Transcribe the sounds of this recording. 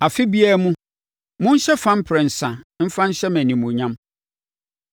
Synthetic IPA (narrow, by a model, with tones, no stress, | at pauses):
a˨fɪ˦bi˦a˦mũ˦ | mʊ̃˦n̩˦ɕɛ˦fã˦m̩˦pʰɾɛ˨n̩˨sã˨m̩˦fã˦n̩˦ɕɛ˦mæ̃˨nĩ˨mũ˨ɲã˦m